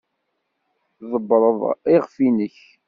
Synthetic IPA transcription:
zˤəbːɾˤəðˤiʁfinəç

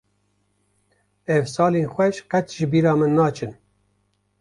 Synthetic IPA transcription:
ɛvsɑːleːnxʷɛʃqɛt͡ʃʒɨbiːɾɑːmɨnːɑːt͡ʃʰɨn

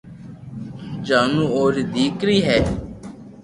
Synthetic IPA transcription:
d͡ʒaːnũːoːɾd̪iːkɾiːɦɛː

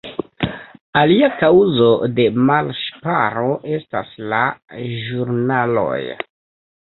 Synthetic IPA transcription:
aliakawzo̞de̞malʃpaɾo̞ʔe̞sta̰slaʒuɾnalo̞̰j

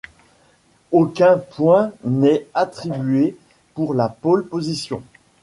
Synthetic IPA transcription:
okʲɛ̃pwɛ̃nɛat̪χibɥe | puʁlapolpozisjɔ̰̃

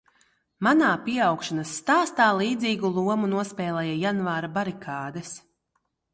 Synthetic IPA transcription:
manaːpiɛawkʃanasːt̪aːst̪aːlˠiːd̪ziːɡulˠuɔmunuɔspʲɛːlˠɛjajanvaːɾabaɾikʰaːd̪ɛs

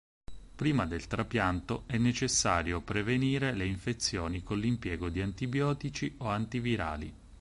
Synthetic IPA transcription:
pɾiːmad̪elt̪ɾapjant̪oɛnːet͡ʃesːaːɾjopɾeveniːɾeleiɱfet̪sːjoːnikonlimpjɛːɡod̪iant̪ibjɔːt̪it͡ʃioant̪iviɾa̰ːlḭ

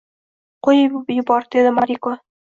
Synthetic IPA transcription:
qojɪbjʊbɒɾd̪ed̪ɪmaɾʲiko

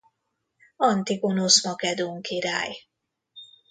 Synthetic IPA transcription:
ɒnt̪iɡo̞nosmɒkɛd̪uŋkiɾa̰ːj

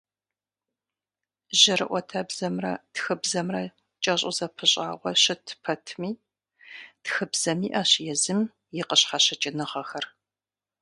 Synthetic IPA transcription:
ʑɐɾɨʔʷɔtʰɐbzɐmrɐtxɨbzɐmrɐ | t͡ʃʼɐɕʼʊzɐpʰɨɕʼa̰ːʁʷɔɕɪtʰpʰɐtʰmiː | txɨbz̥ɐmiːʔɐɕjɛzɨm | jɪqəɕχɑɕɐt͡ʃʼɪnɨʁɐxɐr

